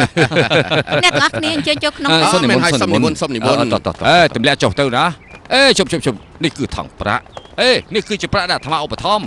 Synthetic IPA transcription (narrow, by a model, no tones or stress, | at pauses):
nɛ̆ʔakniəʔəɲt͡ɕəːjoːkʰnoəːsonːimɛːunaːjonoinmunsop̚nimunɑ̰t̪ɑ̰t̪ʔeːt̪umlɛ̆əʔt͡ɕoht̪ɨwnaːʔeːt͡ɕoːp̚t͡ɕʰoːp̚t͡ɕʰoːp̚nihkɨːt̪ʰɑ̰ŋpra̰ʔʔeːnihkɨːt͡ɕiəpraʔɗaːt̪ʰmaʔopːat̪ʰɑm